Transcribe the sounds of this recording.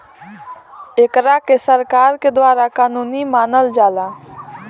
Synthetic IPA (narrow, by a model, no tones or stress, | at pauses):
eːkɾakesəɾkaːɾked̪waːɾakaːnuːnimaːnəld͡ʒaːla